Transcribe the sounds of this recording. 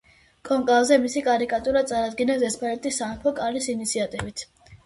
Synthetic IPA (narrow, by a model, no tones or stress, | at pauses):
kʼɔŋkʼavzɛmisikʼaɾikʼat̪ʼuɾat̪sʼaɾad̪ɡinasɛspʰalɛt̪ʼisapʰɔkʼalisinit̪sʰiat̪ʼivit̪ʰ